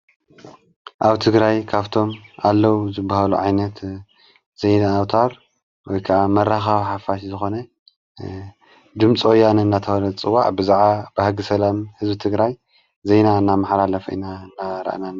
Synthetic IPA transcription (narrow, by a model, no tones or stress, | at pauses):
ʔaβt̪ʰɨɡɾajkʰaβt̪ʰo̞malːɐwzɨbːahaluʕajnɐt̪ | z̥ɐjnaːwt̪ʰaɾ | wɔjkʰaʔamɐɾaxawiħafaʃizɨxo̞nɐ | d̪ɨmt͡sʼʔojːanɨnːat̪ʰɐwɐlɐd̪t͡sʼɨwaʕbɨzaʕabɨhaɡɨsɐlamhɨzbit̪ʰɨɡɾaj | zejnaɨnːamaħlalɐfḭnanːaɾɐ̰ʔnanːa